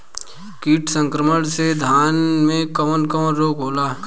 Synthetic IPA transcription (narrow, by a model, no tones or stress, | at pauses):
kiːʈsə̃ŋkɾəməɽ̃sed̪ʱaːnmẽkəmənkəmənɾoːkɦoːlaː